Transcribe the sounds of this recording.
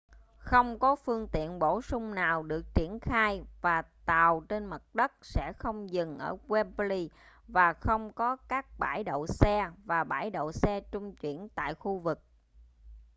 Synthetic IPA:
xə˧wŋ͡mkɔ˨˦fɨ˧əŋt̪ḭ˧˨ənɓo˧˩sʊ˧ŋ͡mnaː˨˩wɗɨ˨˩ək̚t͡ɕi˧˩ənxaː˧jvaː˨˩t̪aː˨˩wt͡ɕe˧nmə˨˩t̚ɗə˦˥t̚sɛ̰˧˥xə˧wŋ͡mzɨ˨˩ŋʔəː˧˩ɣwɛ˧mpli˧ | vaː˨˩xə˧wŋ͡mkɔ˨˦kaː˦˥k̚ɓaː˧˩jɗo̰˧˨sɛ˧vaː˨˩ɓaː˧˩jɗo̰˧˨sɛ˧t͡ɕʊ˧ŋ͡mt͡ɕwḭ˧˩ənt̪a̰ː˧˨jxu˧vɨ˨˩k̚

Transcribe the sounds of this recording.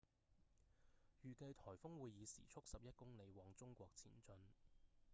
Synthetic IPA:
jyː˨kɐ˧jt̪ʰɔː˨˩jfʊ˥ŋwuː˨˧jːiː˨˧sḭː˨˩t͡ʃʰʊ˥k̚sɐ˨p̚jɐ˥t̚kʊ˥ŋle˨˧jwɔː˨˧ŋt͡sʊ˥ŋkʷɔː˧k̚t͡sʰḭː˨˩nt͡sɵ˧n

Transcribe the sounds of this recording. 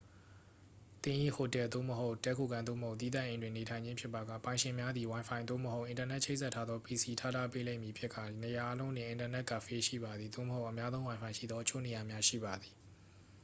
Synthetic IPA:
t̪ɪ̃˦ʔḭ˦˨ho˨tɛ˨d̪o̰˦˨məɦo˦ʊʔtɛ˦kʰo˨ɡã˨nd̪o̰˦˨məho˦ʊt̪̬i˦d̪ã̰˦˨ʔẽ˨ndwɪ̃˨ne˨tʰã˨ɪ̃ɲd͡ʑɪ̃˦pʰjɪ˦˨pːa˨ɡä̰˦˨pã˨ɪ̃ʃɪ̃˨mja˦d̪i˨wã˨ɪ̃mpʰã˨ɪ̃d̪o̰˦˨məɦo˦ʊʔɪ̃˨nta˨nɛ˦ʔt͡ɕʰe˦ɪʔsʰɛ˦tʰːa˦d̪ðɔ˦pi˨si˨tʰa̰˦˨tʰa˦˨pe˦lẽ˦ɪ̃˨mji˨pʰjɪ˦ʔkʰːa̰˦˨ne˨ja˨ʔa˦lõ˦ʊ̃nɪ̃˨ʔɪ̃˨nta˨nɛ˦ʔka̰˦˨fe˦ʃḭ˦˨ba˨d̪ði˨d̪o̰˦˨məho˦ʊʔəmja˦zõ˦ʊ̃wã˨ɪ̃pʰã˨ɪ̃ʃḭ˦˨d̪ðɔ˦ət͡ɕʰo̰˦˨ne˨ja˨mja˦ʃḭ˦˨ba˨d̪i˨

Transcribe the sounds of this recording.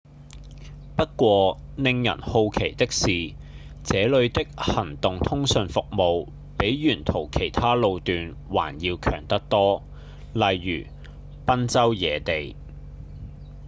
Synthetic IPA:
pɐ˥t̚kʷɔː˧nɪ˧ŋjɐ̰˨˩nho˧wkʰe˨˩jt̪ɪ˥k̚siː˨ | t͡sɛː˨˥lɵ˨˧ɥt̪ɪ˥k̚hɐ˨˩ŋt̪ʊ˨ŋt̪ʰʊ˥ŋsɵ˧nfʊ˨k̚mo˨˧w | pe˨˥jɥyː˨˩nt̪ʰo˨˩wkʰe˨˩jt̪ʰaː˥lo˧wt̪yː˨˧n | wa̰ː˨˩njiː˧wkʰœ̰ː˨˩ŋt̪ɐ˥k̚t̪ɔː˥ | lɐ˨jːy̰ː˨˩ | pɐ˥nt͡sɐ˥wjɛ̰ː˨˧t̪e˨j

